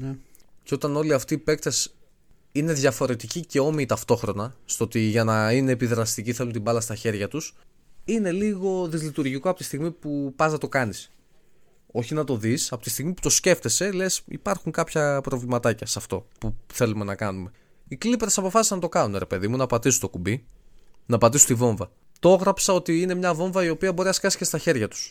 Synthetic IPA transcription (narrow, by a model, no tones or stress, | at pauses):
nceo̞t̪ɐno̞liɐft̪iːpe̞k̚t̪es | ine̞ðʝɐfo̞ɾe̞t̪icice̞o̞miːt̪ɐft̪o̞xɾo̞nɐst̪oo̞t̪iʝɐnɐine̞ːpiðɾɐst̪iciθe̞lunt̪ibɐlɐst̪ɐçe̞ɾʝɐt̪us | ine̞liɣo̞ðizlit̪uɾʝiko̞ɐpot̪ist̪iɣmipupɐznɐt̪o̞kɐnis | o̞çinɐt̪o̞ðisɐpo̞t̪ist̪iɣmipu̥t̪o̞sce̞ft̪e̞se̞le̞sḭpɐɾxuŋkɐpçɐpɾo̞vlimɐt̪ɐcɐsɐft̪o̞̰puθe̞lume̞nɐkɐnume̞ | iklipɾesɐpo̞fɐsisnɐt̪okɐnuneɾe̞pe̞ðimunɐpɐt̪isut̪o̞kubi | nɐpɐt̪isut̪ivo̞ɱvɐ | t̪oo̞ɣɾɐpsɐo̞t̪iine̞mɲɐvo̞ɱvɐio̞piɐbo̞ɾiɐskɐsi̥cest̪ɐçe̞ɾʝɐt̪u̥s